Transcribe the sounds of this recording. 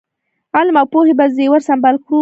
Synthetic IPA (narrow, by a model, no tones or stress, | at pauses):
ɑlmawpohebazewəɾsambalkɾu